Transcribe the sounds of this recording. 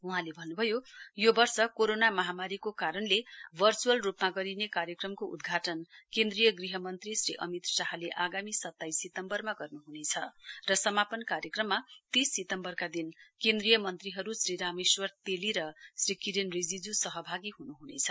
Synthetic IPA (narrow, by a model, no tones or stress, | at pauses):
uɦãlebʱʌnːubʱʌjojobʌrsʌkoɾonamʌɦamaɾikokaɾʌnlebʱʌrt͡suʌlrupmaɡʌɾinekaɾjʌkrʌmkoʔud̪ɡʱaʈʌnkend̪rijʌɡriɦʌmʌnt̪risriʔʌ̰mit̪saɦaleʔaɡamisʌt̪ːaisːit̪ʌmbʌrmaɡʌrnuɦunet͡sʰʌrʌsʌmapʌnkaɾjʌkrʌmːat̪isːit̪ʌmbʌrkad̪inkend̪rijʌmʌnt̪riɦʌɾusriɾamiswʌrt̪eliɾʌsrikiɾenrid͡zid͡zusʌɦʌbʱaɡiɦunuɦunet͡sʰʌ